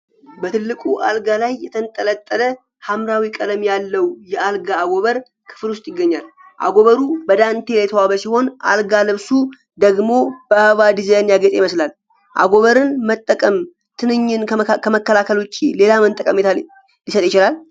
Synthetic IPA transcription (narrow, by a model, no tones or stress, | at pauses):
bət̪ʰɨlːɨkʼuʔalɡalajːɛt̪ʰənt̪ʼːələt̪ʼːələ | hamɾawikʼələmjalːəwjɛʔalɡaːɡo̞βəɾ | kʰɨ̥fɨlʊst̪ʼjɪɡːəɲːal | ʔa̰ɡo̞βəɾubəd̪ant̪ʰe̞jljɛt̪ʰəwaβəsiho̞nʔa̰lɡalɨβsu | d̪əɡmo̞bəhβad̪izajnjaɡət̪ʼejiməslal | ʔa̰ɡo̞βəɾɨnmət̪ʼːəkʼəm | t̪ʰɨnɨɲːɨnkʰəməkːəlakʰəlwʊt͡ʃʼːile̞lamənt̪ʼːəkʼəmt̪ʰa | lisət̪ʼjɪt͡ʃɪlal